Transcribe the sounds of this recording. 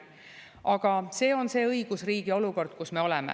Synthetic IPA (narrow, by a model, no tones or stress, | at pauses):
ʔɑɡ̥ɑse̞ːo̞nse̞ːɤjɡ̥usriːɡ̥io̞luko̞rd̪̥kusme̞o̞lɛmḛ